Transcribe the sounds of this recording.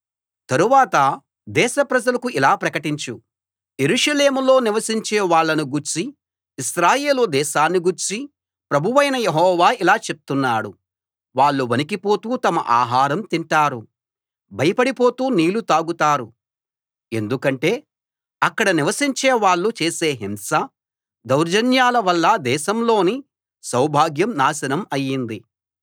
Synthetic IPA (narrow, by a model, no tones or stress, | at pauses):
t̪ɐɾuʋaːt̪ɐ | d̪ɛːʃɐpɾɐd͡ʒɐlɐkuʔilaːpɾɐkɐʈiɲt͡ʃu | je̞ɾuːʂɐle̞ːmulo̞ːniʋɐsiɲt͡ʃeːʋaːɭːɐnuɡuɾt͡ʃi | ʃɾaːje̞ːlud̪ɛːʃaːnːiɡuɾt͡ʃi | pɾɐbʱuʋɐjnɐjeɦɔːʋaːilaːt͡ʃe̞p̚t̪unːaːɽu | ʋaːɭːuʋɐnikipo̞ːt̪uːt̪ɐmɐʔa̰ːɦaːɾɐmt̪iɳʈaːɾu | bʱɐjɐpɐɽipo̞ːt̪uːniːlut̪aːɡut̪aːɾu | e̞nd̪ukɐɳʈe̞ː | ɐkːɐɽɐniʋɐsiɲt͡ʃeːʋaːɭːut͡ʃeːseːɦimsɐ | d̪ɐwɾd͡ʒɐnjaːlɐʋɐlːɐd̪ɛːʃɐmlo̞ːni | sɐwbʱaːɡjɐmnaːsɐnɐmɐjːind̪i